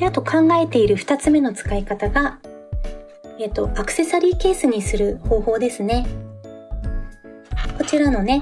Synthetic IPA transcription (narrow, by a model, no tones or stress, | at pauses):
at̪o̞kʰãŋɡae̞t̪e̞iɾɯ̟ɸɯ̟̥t̪at͡sɨme̞no̞t͡sɨ̥kaikat̪aɡa | eːt̪ːo̞ʔakɯ̟̥se̞saɾʲiːke̞ːsɨɲ̟isɨɾɯ̟ho̞ːho̞ːd̪e̞sɨne̞ | ko̞t͡ɕiɾano̞ne̞